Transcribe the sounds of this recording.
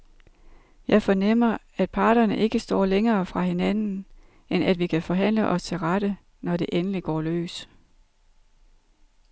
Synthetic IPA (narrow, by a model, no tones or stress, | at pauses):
jɑ̈ɪfɒ̽nem̰ɐ | æd̥̚pʰɑ̈ːɾ̥ɐnəʔe̝ɡ̥əsd̥ɒ̰ːleŋɐːfʁɑ̈ɦe̝nænn̩ | enæd̥ʋikʰæfɒ̽ɦæn̰ləʔɒ̽st͡sʰe̝lʁaɾ̥ə | nɒde̝ʔenəliɡ̥ɒ̰ːlø̰ːs